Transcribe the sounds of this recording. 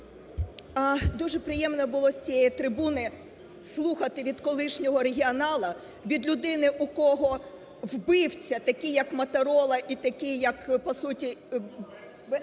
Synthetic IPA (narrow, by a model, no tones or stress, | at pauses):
ɐd̪uʒɛpɾɪjɛmnɔbʊlˠɔsʲt͡sʲijɛjit̪ɾɪbunɪ | slˠuxɐt̪ɪʋʲid̪kɔlˠɪʃnʲɔɦɔɾeɦʲiɔnɑlˠɐ | ʋʲid̪lʲʊd̪ɪnɪʔukɔɦɔ | wbɪwt͡sʲɐt̪ɐkʲɪjɐkmɐt̪ɐɾɔlˠɐʔit̪ɐkʲɪjɐkpɔsutʲi